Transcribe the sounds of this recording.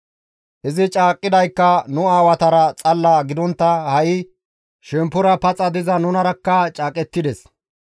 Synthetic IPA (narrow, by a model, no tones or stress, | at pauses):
ʔɪzɪt͡ʃʼaːkʼːɪd̪ɐjkːɐnʊaːwɐt̪ɐɾɐt͡sʼɐlːɐɡɪd̪ɔnt̪ːɐhɐʔɪ | ʃɛmpːʊɾɐpɐt͡sʼɐd̪ɪzɐnʊnɐɾɐkːɐt͡ʃʼaːkʼɛt̪ːɪd̪ɛs